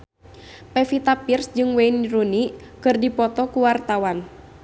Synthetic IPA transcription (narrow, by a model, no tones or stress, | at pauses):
pɛfit̪apirsd͡ʒɨŋwɛiniɾuni | kɨrdipɔt̪ɔkuwart̪awan